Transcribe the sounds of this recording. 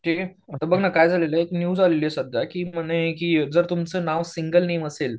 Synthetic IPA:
ʈʰik | mət̪əbəɡnakajd͡zʱaleləeknjud͡zaleliesəd̪ʱjakiːm̤ənekiːd͡zəɾt̪umt͡səːnaʋsiŋɡəlneməsel

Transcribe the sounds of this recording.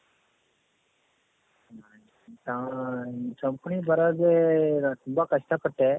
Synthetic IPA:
a | t̪ã | t͡ʃɐmpuɳibɐɾɐːd̪et̪umbɐkɐʂʈɐpɐʈːe

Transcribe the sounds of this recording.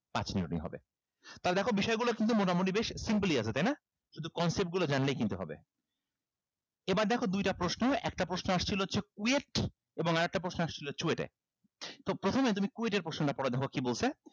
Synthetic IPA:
pa̰t͡ɕniɾṵʈḭŋɦɔ̰bḛ | t̪aɾd̪ɛkʰobiʃɔeɡulokint̪̬umoʈamoʈ̬ibeʃsimpliat͡ɕʰet̪ajna | ʃud̪ʱukɔnsep̚ʈ̚ɡulod͡ʑanlejkint̪uɦɔ̰bḛ | ebaɾd̪ɛkʰod̪ujʈapɾoʃnoɛ̰k̚ʈapɾosnoaʃt͡ɕʰiloɦotːɕʰek̚ueʈ | eboŋaɾɛk̚ʈapɾosnoaʃt͡ɕʰilot͡ɕueʈḛ | t̪opɾot̪ʰomet̪umikueʈ̬eɾpɾoʃnoʈapɔɽed̪ɛkʰokibolt͡ɕʰe

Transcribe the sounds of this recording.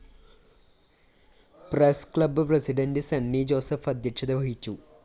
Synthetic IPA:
preskɭɐbːɨprɐsiɖɐndɨsɐnːid͡ʑo̞ːsɐfɐd̪ʱjɐkʂɐd̪ɐʋɐɦit͡ɕːu

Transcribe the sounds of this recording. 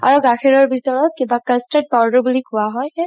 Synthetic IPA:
a̰ɹuɡakʰɛɹɔɹbʱitɔɹɔt̪̚kibakəstɛd̚pawdɔbulikʊwaɦɔj

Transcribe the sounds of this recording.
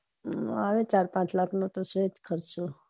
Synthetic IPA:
aʋet͡ʃaɾpãt͡ʃlakʰnot̪osed͡ʒkʰəɾsʰo

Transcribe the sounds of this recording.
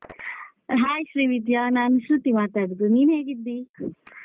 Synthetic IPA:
ɦaːjʃɾiːʋid̪jaːnaːnʃɾut̪imaːt̪aɖd̪uniːnɦeːɡid̪ːi

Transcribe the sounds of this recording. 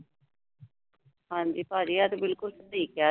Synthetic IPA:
hãːɲd͡ʒiːpaːɾiːaːt̪obɪlkʊlsət̪iːkjaː

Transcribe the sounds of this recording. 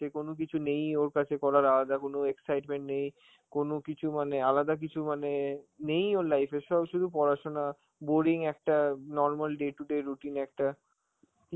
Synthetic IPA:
ekonok̬it͡ɕʰunejoɾkat͡ɕʰekɔlaɾalad̪akonoeksajʈmẽɳʈnej | konokit͡ɕʰumanealad̪ak̬it͡ɕʰumanenejoɾlajfeʃɔbʃud̪ʱupɔɾaʃona | boɾiŋɛk̚ʈanɔɾmalɖeʈuɖeɾuʈinɛk̚ʈa

